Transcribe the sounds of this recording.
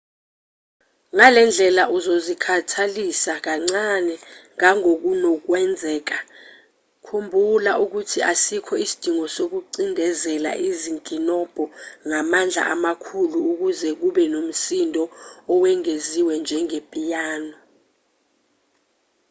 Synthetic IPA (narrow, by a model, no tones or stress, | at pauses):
ŋalɛnd͡ɮʱɛlaʔuzozikʰatʰalisak̬aŋ͡ǀanɛŋaŋok̬unok̬wɛnd͡zʱɛːk̬a | kʰumbʱulaʔuk̬utʰiʔasikʰɔisi̥d̥ʱiŋɔsok̬uǀindʱɛzɛla̰ʔiziŋkʼinɔb̥ʱɔŋamand͡ɮʱa̰ʔamakʰuluuk̬uzɛk̬uɓɛnom̩sindʱɔːwɛŋeziwɛnd͡ʒʱɛŋepʼijaːnɔ